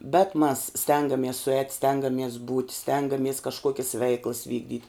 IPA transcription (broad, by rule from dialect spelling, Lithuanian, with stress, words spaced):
bʲɛt mɐs ˈsʲtʲɛŋɡɐmʲiɛs sʊˈɛːtʲ ˈsʲtʲɛŋɡɐmʲiɛs buːtʲ ˈsʲtʲɛŋɡɐmʲiɛs kɐʃˈkuɔkʲɪs ˈʋʲɛɪklˠɐs ˈʋʲiːɡdʲiːtʲ